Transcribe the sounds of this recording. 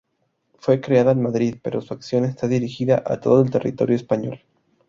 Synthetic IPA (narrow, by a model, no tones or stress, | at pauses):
fwe̞kɾeaðaenmaðɾiðpe̞ɾo̞suaksjo̞ne̞st̪aðiɾixiðaʔa̰t̪o̞ðoelt̪e̞rḭt̪o̞ɾjoespaɲo̞̰l